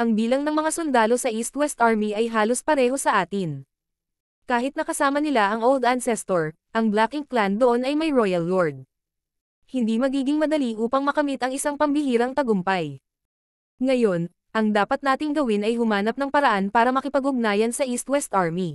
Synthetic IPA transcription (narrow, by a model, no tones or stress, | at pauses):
ʔɐŋbiːlɐŋnɐŋmɐŋasʊld̪aːlo̞sɐʔist̪wɛst̪ʔaɹmiʔɐjɦaːlospɐɾɛːɦo̞sɐʔaːt̪ɪn | kaːɦɪt̪̚nɐkɐsaːmɐnɪlaʔɐŋʔold̪ʔansɛst̪oɹ | ʔɐŋblaːkɪŋkland̪oʔo̞nɐjmɐjɹojɐlːoɹd̪̚ | hɪnd̪imɐɡiːɡɪŋmɐd̪ɐliʔuːpɐŋmɐkɐmɪt̪ɐŋɪsaŋpɐmbɪhiːɾɐŋt̪ɐɡʊmpɐj | ŋɐjo̞n | ʔɐŋd̪aːpɐt̪naːt̪ɪŋɡɐwɪnɐjɦʊmaːnɐp̚nɐŋpɐɾɐʔanpaːɾɐmɐkɪpɐɡʊɡ̚naːjɐnsɐʔist̪wɛst̪ʔaɹmi